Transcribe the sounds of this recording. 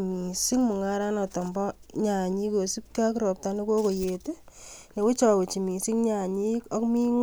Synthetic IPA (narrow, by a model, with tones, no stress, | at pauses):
mi˨si˦ŋmʊ˨ŋa˦ɾa˦nɔ˨tɔ˨mbɔ˦ | ɲa˨ɲi˦ko˨su˦p̚ka˦kɾɔ˨p̚ta˦ne˦ko˦ko˨je˨te˦ne˨wʊ˦t͡ʃa˨we˨t͡ʃi˨mi˨si˦ŋɲa˨ɲi˦kɔ˦kmi˦ŋ